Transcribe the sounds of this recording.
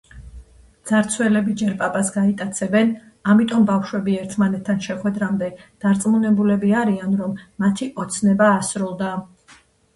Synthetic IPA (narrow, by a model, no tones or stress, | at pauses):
d̪z̥aɾt̪sʰwɛlɛbid͡ʒɛɾpʼapʼasɡait̪ʼat̪sʰɛbɛn | amit̪ʼɔmbafʃwɛbiɛɾt̪ʰmanɛt̪ʰːanʃɛχwɛd̪ɾamd̪ɛd̪̥aɾt̪sʼmunɛbulɛbiaɾianɾɔmːat̪ʰiʔɔt̪sʰnɛbaːsɾulˠd̪a